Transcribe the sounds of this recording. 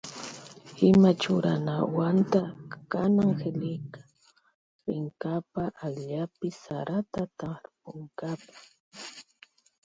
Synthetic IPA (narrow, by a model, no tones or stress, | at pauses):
ɪmat͡ʃʊɾa̰nawant̪akanaŋxelɪjkḁ | ɾɪŋkapaʔajʎapɪsaɾat̪at̪aɾpʊŋkapḁ